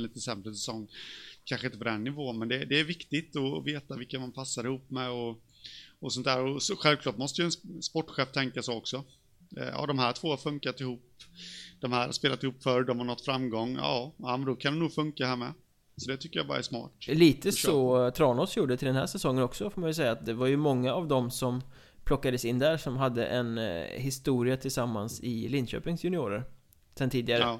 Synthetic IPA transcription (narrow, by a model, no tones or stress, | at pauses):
liːt̪əsɛmɾəsɛsɔŋːkʰanʂəɪnt̪əpɔd̪ɛnːɪvoːnmɛnd̪ɛd̪ɛːɾvɪkt̪ɪt̪ɔveːt̪avɪlkːamanpʰasːaɾɪhuːpːmɛɔ | ɔsɔnt̪æːɾɔsɔɧɛlvkʰlɑːʈmɔst̪əjʏɛnspɔʈːɧɛːft̪ʰɛŋkasɛɔksɔ̰ | jɑ̰ːd̪ɔmhæːʈʰvoːhaɾfɵŋkat̪ɪhuːpːd̪̥ɔmhæːɾha̰speːlat̪ɪhuːpːfœɾɖɔmhaɾnɔt̪ːfɾamːɡɔŋːjɑ̰ːamɛnd̪ɔkʰand̪ɛnuːɡfɵŋkaɦæːɾmɛ̰ | sɔd̪ɛt̪ʰʏkːəɾja̰bɑ̰ːɾa̰æ̰ʂmɑ̰ːʈliːt̪ʰəsɔt̪ʰɾɑːnɔːsjuːɖət̪ɪld̪ɛnɦæ̰ːʂɛsɔŋːənɔksɔfoːɾmanjɵs̬ɛjːaːt̪̚d̪ɛvaɾjɵmɔŋːaːvd̪ɔmsɔm | pʰlɔkːad̪əsɪnːd̪æɾʂɔmɦad̪ːə̰ʔɛ̰nɦɪst̪uːɾɪat̪ʰɪlsamːansɪ̰lɪnɕø̰ːpɪŋsjɵnɪuːɾə̰ɾ | sɛnt̪ʰiːd̪ɪɡaɾə